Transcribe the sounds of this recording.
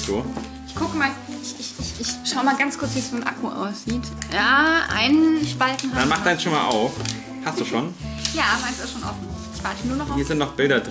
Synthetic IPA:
d̥uːɐʔɪçkʰʊkəmaːl | ʔɪçɪçɪçɪçʃaʊəmaːlɡant͡skʰʊɐt͡sv̥iːsz̥oːnʔa̰kʰuʔa̰ʊsz̥iːtjaːʔa̰ɪnʃpaltn̩hadanmaχd̥aɪnsʃoːnmaːlʔa̰ʊf | hast̚d̥uːʃoːnjaːʔabɐmaɪnsɪsʃoːnʔɔ̰fn̩ | ɪçv̥aːɐtɪçnuːɐnɔχahiːɐzɪntnɔχb̥ɪldɐd

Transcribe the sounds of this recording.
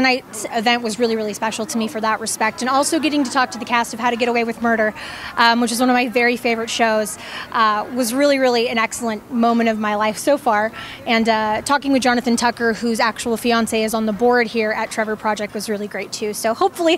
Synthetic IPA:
ɨnaɪtsɨvɛ̃nʔwʌzɹɪlˠiɹɪlˠispɛʃl̩ˠtʰəmifə˞ðəʔ̚ɹɨspɛk̚tɨ̃nɔlˠsoʊɡɛɾɪ̃ŋtɨtʰɔk̚tʰɨðɨkʰæstʌv̥haʊɾɨɡɛɾəweɪwɨðmɜ˞ɾə˞ʔwɨt͡ʃɨzwʌ̃nʌvmaɪvɛɹifeɪvə˞ɨtʃoʊz̥ | ʔwʌzɹɪlˠiɹɪlˠiɨ̃ɾ̃nɛksl̩ˠə̃nmõʊ̃mɨ̃ɾ̃ʌvmaɪlaɪfsoʊfɑɹ | ɨ̃nʌtʰɔkɪ̃ŋwɨðd͡ʒɑnɨθɨ̃ntʰʌkə˞hʉzæk̚t͡ʃəwl̩ˠfiɑ̃nseɪɨzn̩ðəbɔɹd̚hiɹɨtʰɹ̥ɛvə˞pʰɹ̥ɑd͡ʒɛk̚t̚wʌzɹɪlˠiɡɹeɪtʰʉsoʊhoʊpfl̩ˠi

